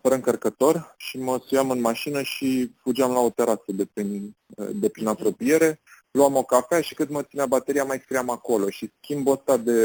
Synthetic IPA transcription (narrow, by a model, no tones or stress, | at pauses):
fəɾəɨŋkərkət̪o̞rʃiməsujamɨnmaʃinəʃifud͡ʒeamlaot̪e̞ɾasəd̪e̞pɾind̪e̞pɾinapɾo̞pije̞ɾe̞ | luamo̞kafeaʃi̥kɨnd̪mət̪sineabat̪eɾiamajskɾijamako̞lo̞ʃiskʲimbost̪ad̪e̞